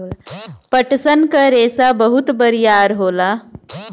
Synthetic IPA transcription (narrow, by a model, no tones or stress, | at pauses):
pəʈsənkəɾesabəɦut̪bəɾijaɾɦola